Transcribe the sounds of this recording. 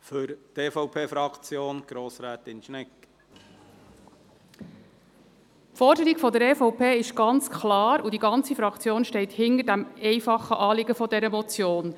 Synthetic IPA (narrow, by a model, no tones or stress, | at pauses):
fʏɾteːfɔʊpʰeːfɾɑkt͡sjoːnɡ̥ɾoːsɾæːt̪ɪnʃnɛkː | pfɔɾdəɾiɡfɔdəɾɛːfɔʊpeːɪʃɡ̥ɑnt͡skʰlɑːɾudiɡɑnt͡sifɾɑkʰt͡sjoːnʃtɛɪthɪndəɾdæmɛɪfɑχːəʔɑːlɪɡəfɔdɛɾəmɔt͡sjoːn